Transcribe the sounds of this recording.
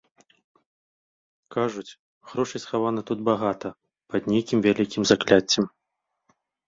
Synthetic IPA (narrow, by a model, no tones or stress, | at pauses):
kaʐut͡sʲ | ɣɾɔʂɨsxavanɐt̪ud̪baɣat̪ɐ | pɐd̪nʲejkʲimvʲalʲikʲimzaklʲat͡sʲːɛm